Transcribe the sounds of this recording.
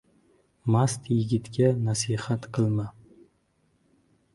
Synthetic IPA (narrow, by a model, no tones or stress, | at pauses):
mast̪jɪɡʲɪt̪kʲanasihat̪qʰɨlˠma